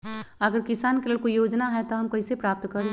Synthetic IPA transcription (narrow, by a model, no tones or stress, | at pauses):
əɡəɾkɪsaːnkeleːlkoijoːd͡ʒnaɦɛt̪oɦɐmkɐisepɾaːp̚t̪kəɾẽ